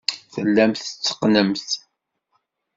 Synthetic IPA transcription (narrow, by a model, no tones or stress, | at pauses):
θəlːæmθət͡sːə̥qːnəmθ